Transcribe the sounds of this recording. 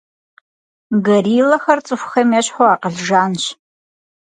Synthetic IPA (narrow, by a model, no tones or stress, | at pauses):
ɡɐriːlɐxɐrt͡sʼɨfʷxɐmjaɕħoaːqəɮʒaːnɕ